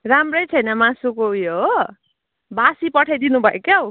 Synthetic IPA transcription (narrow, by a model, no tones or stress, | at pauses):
ramrʌjt͡sʰʌjnʌmãsukoujoɦo | basipʌʈʰajd̪inubʱʌekaw